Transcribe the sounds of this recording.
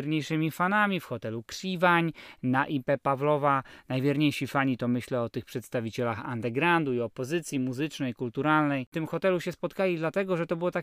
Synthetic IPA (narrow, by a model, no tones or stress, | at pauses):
ɾɲejʂɘmʲifanamʲifxɔt̪ɛlukʂivaɲnaʔipɛpavlɔvanajvʲjɛɾɲejʂifaɲit̪ɔmɘɕlɛɔt̪ɘxpʂɛt̪st̪avʲit͡ɕɛlaxa̰nd̪ɛɡɾand̪uiɔpɔzɘt̪sʲjimuzɘt͡ʂnɛjkult̪uɾalnɛjt̪ɘmxɔt̪ɛluɕɛspɔt̪kalʲid̪lat̪ɛɡɔʐɛt̪ɔbɘwɔt̪a